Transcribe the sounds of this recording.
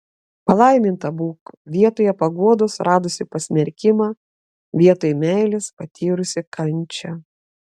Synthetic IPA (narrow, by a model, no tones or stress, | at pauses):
pɐlˠɐɪmʲɪnt̪ɐbuːkʋʲiɛt̪oːjɛpɐɡuɔd̪oʊsɾʔɑːd̪ʊsʲɪpɐsʲmʲɛɾʲkʲɪmɑː | ʋʲiɛt̪oːjmʲæɪlʲɪspɐt̪ʲiːɾʊsʲɪkʰɐnʲˑt͡ʃʲɛ